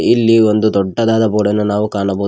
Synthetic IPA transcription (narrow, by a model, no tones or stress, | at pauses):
ilːiond̪ud̪ɔɖːɐd̪aːd̪ɐboːɽɐnːunaːʋukaːɳɐboː